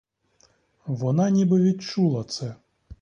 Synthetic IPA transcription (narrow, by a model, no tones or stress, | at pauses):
ʋɔnɑnʲibɪʋʲit̪t͡ʃulˠɐt̪sɛ